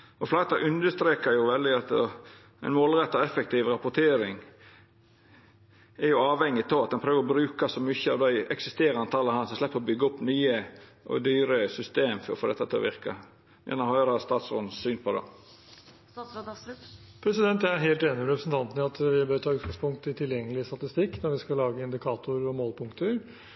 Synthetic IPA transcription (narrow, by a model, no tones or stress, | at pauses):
ɔflɑt̪ɑʔʉnd̪əst̪ɾeːkəɾjʊʋɛld̪ɪɑt̪ɔ | æɪnmoːlɾɛt̪ːɔɛfɛkt̪ʰiːʋɾɑpʊt̪ʰeːɾɪŋ | ɛɾjʊɑːʋhɛŋːɪt̪ʰɑʋɑt̪̚d̪ɛnpʰɾøːʋəɾɔbɾʉːkɑsɔmʏçːəɑʋd̪æɪɛksɪst̪eːɾɑnt̪ʰɑːləhɑnsɔmslɛpːəɾɔbʏɡəʊpːnyːəʔɔ̰d̪yːɾəsʏst̪eːmfɔɾfoːd̪ɛt̪ːɑt̪ʰɛ̰ʋɪɾkɑ̰ | jɛ̰nɔmhœʏɾɑst̪ɑːt̪soːd̪n̩syːnpʰɔd̪ɛ̰ | pʰɾɛsɪd̪ɛnt̪ææɦeːlt̪eːnɪmɾɛpɾəsnt̪ʰɑnt̪nəɑt̪ʋɪbøːɾt̪ʰɑːʉːt̪̚ɡ̥ɑŋspʊŋkt̪ɪt̪ʰɪljɛŋːəlɪəst̪ɑt̪ɪst̪ɪkːnɔɾʋɪskɑlɑːɡəɪnd̪ɪkʰɑːt̪ʊɾɔmoːlpʰʊŋkt̪əɾ